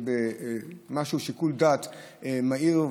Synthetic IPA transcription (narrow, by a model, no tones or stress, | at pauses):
bemaʃuʃikuld̪at̪ʔemaiʁ